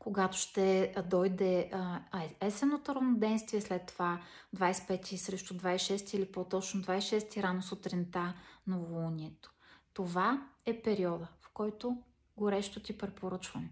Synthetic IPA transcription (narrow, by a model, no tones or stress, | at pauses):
koɡat̪o̥ʃt̪ɛd̪ɔjd̪ɛ | ɛsɛnːot̪oɾɐvnod̪ɛjnst̪vʲiɛslɛt̪ːova | d̪vajspɛt̪ʲisɾɛʃt̪od̪vajsʃɛst̪iilipot̪ɔt͡ʃnod̪vajsʃɛst̪iɾanosot̪ɾint̪anɐvolˠunʲiɛt̪o̥t̪ovaɛpɛɾiɔd̪əfkɔjt̪o | ɡoɾɛʃt̪ot̪ʲipɾɛpoɾɤt͡ʃvɐnɛ